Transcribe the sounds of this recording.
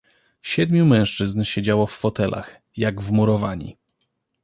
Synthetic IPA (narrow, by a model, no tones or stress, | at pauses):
ɕɛd̪mʲjumɛ̃w̃ʂt͡ʂɘznɕed͡ʑawɔfːɔt̪ɛlʔa̰x | jaɡvmuɾɔvaɲḭ